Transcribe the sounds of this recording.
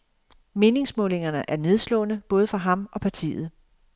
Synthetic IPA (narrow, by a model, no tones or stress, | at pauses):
me̝ːne̝ŋsmɔ̽ːle̝ŋɐnəʔæɐne̝ð̞ˠslɔ̰̽ːnəb̥ɔ̽ːð̞ˠəfɑ̈ɦɑ̈mɒ̽pʰæt͡sʰḭːð̩ˠ